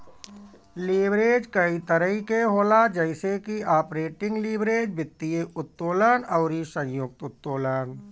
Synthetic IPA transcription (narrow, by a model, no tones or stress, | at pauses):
liːbɾeːd͡ʒkəit̪əɾəɦikeɦoːlad͡ʒɛɪsekiaːpɾeːʈɪ̃ŋɡliːbɾeːd͡ʒbɪt̪ːijeʊt̪ːoːlaːnɔːɾisə̃jjʊk̚t̪ʊt̪ːoːləːn